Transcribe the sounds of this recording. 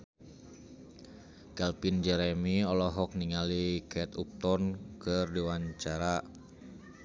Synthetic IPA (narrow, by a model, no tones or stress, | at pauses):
kɛlpind͡ʒɛɾɛmiɔlɔɦɔk̚niŋalikʰɛt̪up̚t̪ɔnkɨrdiwaɲt͡ʃaɾa